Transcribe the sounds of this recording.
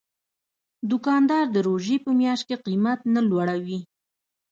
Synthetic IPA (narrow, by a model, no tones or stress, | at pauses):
d̪ʊkɑnd̪ɑɾd̪əɾoʒepəmjɑʃt̪̚keqimat̪nalwaɽawi